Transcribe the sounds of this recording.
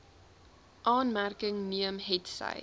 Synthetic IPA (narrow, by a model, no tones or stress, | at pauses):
ʔɑːnmærkəŋniəmɦɛtsɐ̰j